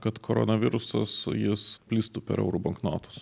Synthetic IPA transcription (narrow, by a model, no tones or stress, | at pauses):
kɐt̪koɾo̰nɐʋʲɪɾʊsɐ̰sjɪspʲlʲiːst̪uːpʲɛ̰ɾɛ̰ʊɾubɐŋkno̰ːt̪ʊs